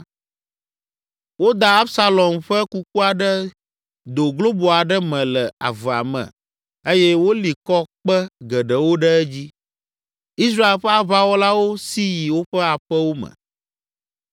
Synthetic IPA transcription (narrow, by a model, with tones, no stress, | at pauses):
wo˦d̪a˨a˦bsa˦lɔ˨mɸɛ˦ku˦k̚u˦a˨ɖə˦ | d̪o˨ɡlo˦bo˨a˨ɖɛ˦mɛ̃˨lɛ˨a̰˨və˨a̰˨mɛ̰̃˨ | e˦jɛ˦wo˦li˨kɔ˦k͡pə˦ɡɛ˨ɖə˨wo˦ɖɛ˦ɛ˦d͡ʑi˦ | i˦s̬ɾa˦e˨lɸɛ˦a˦βa˦wɔ˦la˦wo˦si˦ji˨wo˦ɸɛ˦a˨ɸɛ˦wo˦mɛ̰̃˨